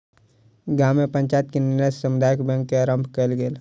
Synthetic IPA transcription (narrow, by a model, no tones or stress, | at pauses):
ɡaːmːepə̃ɲt͡ʃajət̪̚kenɪnəsəmʊd̪ajəkbɛ̃ŋkːeaɾə̃mpʰkəlɡeːl